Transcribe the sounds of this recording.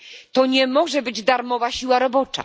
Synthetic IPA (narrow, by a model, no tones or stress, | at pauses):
t̪ɔɲɛmɔʐɛbɘd͡ʑd̪aɾmɔvaɕiwaɾɔbɔt͡ʂa̰